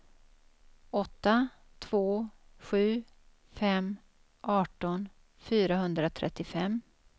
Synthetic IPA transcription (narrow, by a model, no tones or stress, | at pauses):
ɔt̪ːa | t̪ʰv̥oːɧʉ̟ː | fɛm | ʔɑːʈɔn | fyːɾaɦɵnd̪ɾat̪ʰɾɛ̰t̪ːɪfɛmː